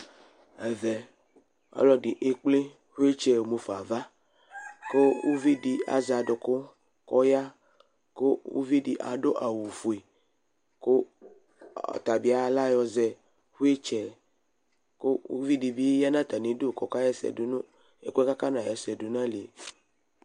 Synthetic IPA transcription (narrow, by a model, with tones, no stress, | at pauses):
ɛ˨vɛ˨ | ɔ̰˦lɔ˦di˨ʔe˦k͡ple˦ | hu˦e˦t͡ʃɛ˦wo˨mo˨fa˨va˦ | ko˦wu˦vi˦di˨a̰˨za˨do˨ko˦ | kɔ˦ja˦ | ko˦ṵ˦vi˦di˨ʔa̰˨ɖo˦ʔa˨wu˨fu˨e˨ | ko˦˨ | t̪a˨bi˨˦a˨˦la˦jɔ˨zɛ˨ | hu˦e˦t͡ʃɛ˨ | ko˦ṵ˦vi˦di˨bi˦ja˦nã˦˨t̪a˨nĩ˨˦do˦˨kɔ˨ka˦jɛ˦sɛ̰˨do˨nõ˦ | ḛ˦˨k͡pe˦ka˦ka˦nã˨jɛ˨sɛ˨do˨nã˦le˨